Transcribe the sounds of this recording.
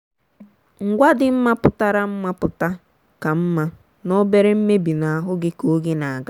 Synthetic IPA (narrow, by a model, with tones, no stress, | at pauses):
ŋ̩˨ɡʷa˦dɪ˨m̩˦ma˦pʊ˨ta˦ɾa˦m̩˦ma˦pʊ˨ta˦ | ka˨m̩˦ma˦ | no˦be˦ɾe˦m̩˦me˦bi˨na˨a˨ɦʊ˦ɡɪ˦ko˨˦ɡɪ˦na˨a˨ɡa˦